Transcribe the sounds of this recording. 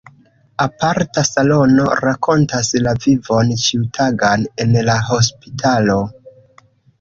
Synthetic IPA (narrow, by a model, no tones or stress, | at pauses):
apaɾtasalo̞no̞̰ɾako̞ntaslavivo̞nt͡ʃiutʰaɡane̞nlaɦo̞spitʰalo̞